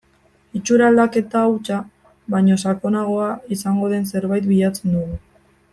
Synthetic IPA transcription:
it͡ʃuɾald̪ake̞t̪aːwt͡ʃa | βaɲo̞s̬ako̞naɣ̞o̞aisaŋɡo̞ðe̞ns̬e̞ɾβajt̪biʎat͡se̞nd̪uɣu

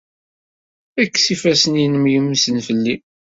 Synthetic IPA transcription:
ækːsifæsənjinəmjəmːsənfəlːi

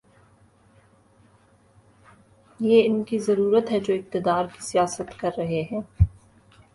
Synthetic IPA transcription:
jeːɪnkizɐɾuːɾət̪ɦɛd͡ʒoːɪk̚t̪ɪd̪aːɾkisijaːsət̪kɐɾːɐɦeɦɛ̃ː

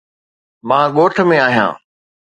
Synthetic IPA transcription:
mãːɠoːʈʰmẽaːɦjã̰ː

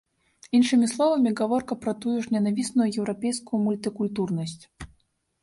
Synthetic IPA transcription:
inʂɨmʲislˠɔvɐmʲiɣavɔrkɐpɾɐt̪ujuʂnʲɛnavʲisnujujɛwɾapʲɛjskujumulʲt̪ɨkulʲt̪urnɐsʲt͡sʲ

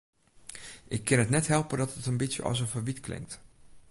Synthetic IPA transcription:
ʔɪkʰːɪnətnɛtɦɛlˠpədɔtətənbisjə̰ʔɔ̰s̬ənfəʋitkʰlɪ̰ŋk̚t

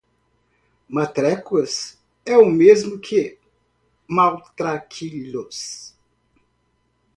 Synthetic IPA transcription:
mat̪ɾɛkuɐs | ɛʊmezmʊkʰɪ | mawt̪ɾakʰilos

